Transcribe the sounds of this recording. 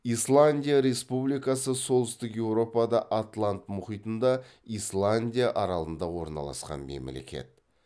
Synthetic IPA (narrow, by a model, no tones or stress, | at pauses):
ijslˠanʲdʲijaɾe̞spublijkɑsəso̞lˠd̪ʏst̪ɪkje̞wɾo̞pɑd̪ɑʔat̪lˠant̪mʊχijt̪ənd̪ɑislˠanʲdʲijaʔɑɾɑlˠənd̪ɑwo̞ɾnɑ̰lˠɑ̰sqɑ̰nme̞̰mle̞̰kʲe̞̰t̪